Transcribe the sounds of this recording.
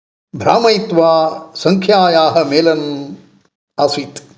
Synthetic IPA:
bʱɾa̰ːmɐjt̪ʋaːsɐŋkʰjaːjaːɦɐ̆meːlɐn | aːsʋiːt̪

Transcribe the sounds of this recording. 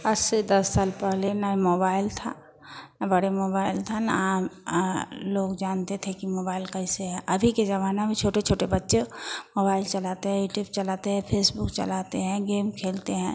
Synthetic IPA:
ɐsed̪ɐsːaːlpɛɦlenamoːbaːɪlt̪ʰa̰ | bəɽemoːbaːɪlt̪ʰana | loːɡd͡ʒaːnt̪et̪ʰekimoːbaːɪlkɐɪseɦɛʔɐbʱiked͡ʒɐʋaːnamẽt͡ʃʰoːʈet͡ʃʰoːʈebɐtːʃemoːbaːɪlt͡ʃɐlaːt̪eɦɛ̃uːʈiːbt͡ʃɐlaːt̪eɦɛ̃pʰeːsbʊkt͡ʃɐ̰laːt̪eɦɛ̃ɡeːmkʰeːlt̪eɦɛ̃ː

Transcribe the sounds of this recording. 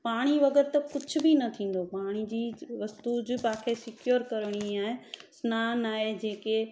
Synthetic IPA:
paːɽ̃iʋɐɡəɾt̪ɐkʊd͡ʑʱʊ̆binɐt̪ʰĩːn̆d̪opaːɽ̃id͡ʑiːʋɐst̪ud͡ʑʊpãːkʰesɪkjoːɾkɐɾəɽ̃iaːɦesnaːnaːɦed͡ʑeːke

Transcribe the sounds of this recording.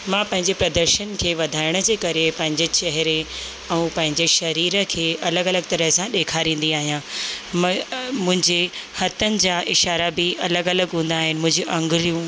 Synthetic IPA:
mãːpɐ̃ɦɪ̃ɲd͡ʑepɾɐd̪əɾʃənkʰeːʋɐd̪ʱaːɪɽ̃ə̆d͡ʑeːkɐɾepɐ̃ɦɪ̃ɲd͡ʑet͡ɕɐɦɪɾe | ɛ̃ũpɐ̃ɦɪ̃ɲd͡ʑeʃɐɾiːɾə̆kʰeːɐləɡɐləɡ̚t̪ɐɾəɦsãɗeːkʰaɾĩːn̆d̪iaːɦijã | mʊ̃ɦɪ̃ɲd͡ʑehɐt̪ənɪ̆d͡ʑaːʔɪʃaːɾabɪʔɐləɡɐləɡɦũːn̆d̪aːɦɪnɪ̆mʊ̃ɦɪ̃ɲd͡ʑuʔɐ̃ŋɡɪɾijũ

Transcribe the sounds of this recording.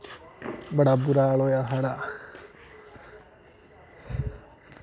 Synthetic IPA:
bəɽabuɾaɭojaɦaɽa

